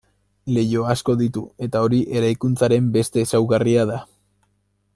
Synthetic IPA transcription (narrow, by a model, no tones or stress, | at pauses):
le̞jo̞asko̞ðit̪ue̞t̪ao̞ɾiʔe̞ɾajkunt͡saɾe̞mbe̞st̪e̞ːsawɣariaða